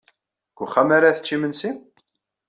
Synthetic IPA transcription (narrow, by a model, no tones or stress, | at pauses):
ɡ̥ʷʊχːamaɾaθə̥t͡ʃːimənsim